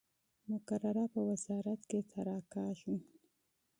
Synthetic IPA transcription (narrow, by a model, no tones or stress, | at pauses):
mʊkaraɾapawɐzaːɾat̪ket̪ʰaɾaːkaːʃu